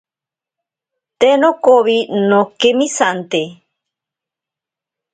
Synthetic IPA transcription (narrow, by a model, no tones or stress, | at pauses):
t̪enokoβinokemĩsant̪e